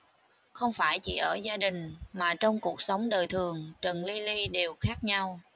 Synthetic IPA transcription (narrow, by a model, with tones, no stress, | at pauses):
xə˧wŋ͡mfaː˧˩jt͡ɕḭ˧˩ʔəː˧˩zaː˧ɗï˨˩ŋ̟maː˨˩t͡ɕɔ˧wŋ͡mku˨˩ək̚sə˨˦wŋ͡mɗəː˨˩jt̪ʰɨ˨˩əŋt͡ɕə˨˩nli˧li˧ɗe˨˩wxaː˦˥k̚ɲa˧w